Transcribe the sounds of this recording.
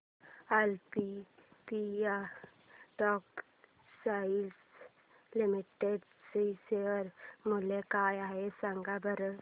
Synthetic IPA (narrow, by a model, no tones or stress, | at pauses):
alpipia | ʈɔk | sails | limiʈeɖ | səiseəɾmulekajaɦesaŋɡabəɾə